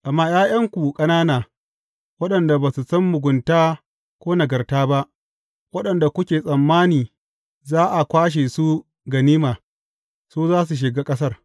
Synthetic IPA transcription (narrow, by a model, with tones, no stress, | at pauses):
ʔa˨mːaː˦j̰aː˦j̰ɐ˦ŋkʷu˨kʼɐ˦naː˦naː˨ | wɐ˦ɗɐ˨nda˨baː˨su˨sɐ˦mːʊ˨ɡʷʊ˨ntaː˦ | kʷoː˦nɐ˨ɡɐ˨rtaː˦ba˦ʔ | wɐ˦ɗɐ˨nda˨kʷʊ˦kʲeː˨sʼɐ˨mːaː˦niː˨ | zaː˦ʔa˨kʷaː˦ʃ̬e˨su˦ | ɡɐ˨niː˦maː˨ | soː˦zaː˦s̬u˨ʃ̬ɪ˨ɡaː˦kʼɐ˦s̬ɐ˦r